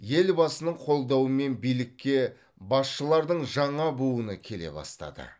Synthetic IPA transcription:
je̞lbɑsənəɴqʰo̞lˠd̪ɑwəme̞nbijlɪkʲːe̞ | bɑsʃəlˠɑɾd̪əɴʒɑɴɑbuənəkʲʰe̞le̞̰bɑ̰st̪ɑ̰d̪ə̰

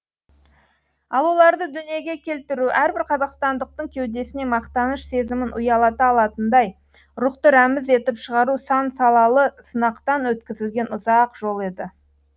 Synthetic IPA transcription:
ɑlˠolˠɑɾd̪əd̪ʏnije̞ɡʲe̞kʲʰe̞lt̪ɪɾuʔæɾbɪɾqʰɑzɑqst̪ɑnd̪əq̚t̪əɴkʲʰe̞wd̪e̞sɪne̞mɑqt̪ɑnəʃse̞zɪmɪnʔʊjɑlˠɑt̪əːlˠɑt̪ənd̪ɑj | ɾʊqt̪əɾæmɪze̞t̪ɪpʃəʁɑɾusɑnsɑlˠɑlˠəsənɑqt̪ɑnwɵt̪kʲɪzɪlɡʲe̞nʊzɑqʒ̥o̞lˠe̞d̪ɪ

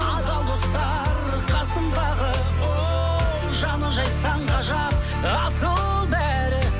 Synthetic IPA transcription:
ɑd̪ɑlˠd̪o̞st̪ɑ | ɾ | qʰɑsəmd̪ɑʁə | o | ʒɑnəʒɑjsɑɴʁɑʒɑp̚ | ɑsəlˠ | bæ | ɾɪ

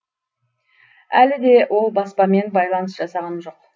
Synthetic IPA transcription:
ælɪd̪e̞wʔo̞lˠbɑspɑme̞nbɑjlˠɑnəsʒ̥ɑsɑʁɑnʒo̞q

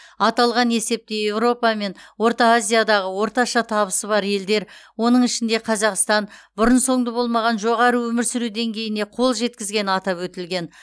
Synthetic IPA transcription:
ɑt̪ɑlˠʁɑne̞se̞p̚t̪e̞je̞vɾo̞pɑme̞nwo̞ɾt̪ɑazʲijad̪ɑʁəwo̞ɾt̪ɑʃɑt̪ʰɑβəsəβɑɾje̞ld̪e̞ɾwo̞nəɴɪʃɪnd̪e̞qʰɑzɑqst̪ɑnbʊɾənso̞ɴd̪əbo̞lˠmɑʁɑnʒo̞ʁɑɾəwɵmɪɾsʏɾud̪e̞ŋkʲʰe̞jɪne̞qʰo̞lˠʒe̞t̪̚kʲɪzɡʲe̞nɑt̪ɑpwɵt̪ɪlɡʲe̞n

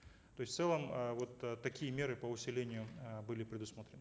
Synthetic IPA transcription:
t̪o̞ɪsʲft̪sɛlˠəməvo̞t̪əːɐkʲijəmʲe̞ɾɨpəʊsʲɪlʲenʲɪjʊbɨlʲɪpɾʲɪd̪ʊsmot̪ɾʲɪnə

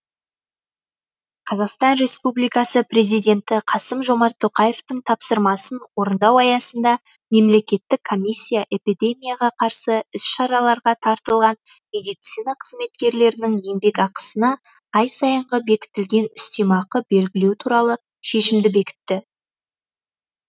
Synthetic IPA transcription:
qʰɑzɑqst̪ɑnɾe̞spublijkɑsəpre̞zijd̪ʲe̞nt̪ɪqʰɑsəmʒo̞mɑɾt̪ʰːo̞qɑje̞ft̪əɴt̪ʰɑpsəɾmɑsənwo̞ɾənd̪ɑwɑjɑsənd̪ɑ | me̞mle̞kʲe̞t̪ːɪkʰːo̞mʲisʲːijaʔe̞pʲid̪e̞mʲijaʁɑqʰɑɾsəʏsʃɑɾɑlˠɑɾʁɑt̪ʰɑɾt̪əlˠʁɑn | me̞d̪ijt̪sijnɑqʰəzme̞t̪kʲe̞ɾle̞ɾɪnɪŋje̞mbe̞kɑqə̥sənɑ | ɑjsɑjəɴʁəbe̞kʲɪ̥t̪ɪlɡʲe̞nʏst̪e̞mɑqəbe̞lɡʲɪle̞wɪt̪ʰuɾɑlˠə | ʃe̞ʃɪmd̪ɪbe̞kʲɪ̥t̪ːɪ

